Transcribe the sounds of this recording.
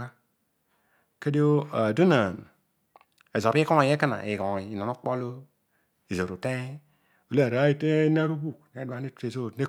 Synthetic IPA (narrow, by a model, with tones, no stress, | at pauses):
a˦ | ke˦di˦o˦a˨du˦na˨n | e˨zo˨bi˦kɔ˦˨je˦ka˦na̰˨e˨ɡɔ̃˨i˨na˨no˦k͡po˦lo˦ | i˨zo˨ɾo˨te˦ | u˨le˦˨ɾa˨˦i˦te˦na˦ɾu˦bu˦˨kne˨˦dwa˨ne˦te˨zo˦˨ne˦